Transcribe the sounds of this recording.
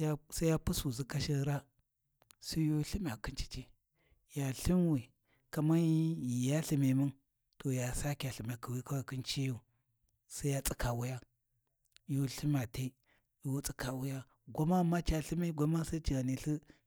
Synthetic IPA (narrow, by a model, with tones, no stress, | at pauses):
sa˦ja˦pu˦su˨zi˦ka˦ʃi˦ɾa˦ | su˦jo˦ɬi˦m˦˨a˨ki˦nt͡ʃi̥˦t͡ʃi˦ | ja˨ɬi˦mwi˨ | ka˨ma˦i˨ja˦ɬi˨me˨mu˦n | to˨ja˨sa˦kja˨ɬi˨m˨a˨ki˨wi˦ka˦wa˨ki˦nt͡ʃi˦ju˦˨ | sa˦ja˦t͡sʼi˦ka˨wu˦ja˦ | jo˦ɬi˦ma˨te˦ | jo˦t͡sʼi˦ka˨wu˦ja˦ | ɡʷa˦ma˦˨ma˦t͡ʃa˨ɬi˦mi˦ɡʷa˦ma˦sa˦t͡ʃi˨ɡa˨ni˨ɬi˦